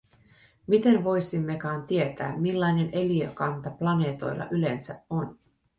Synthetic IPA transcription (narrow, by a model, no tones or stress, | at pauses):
mit̪e̞nʋo̞jsimːekɑːnt̪ie̞t̪æ̰ːmmilːɑjne̞ne̞liøkɑnt̪ɑplɑne̞ːt̪o̞̰jlːɑ̰ʔyle̞nsæo̞n